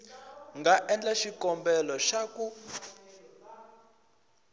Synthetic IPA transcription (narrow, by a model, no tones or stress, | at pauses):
ŋɡaʔɛnd͡ɮaʃikɔmbɛlɔʃaku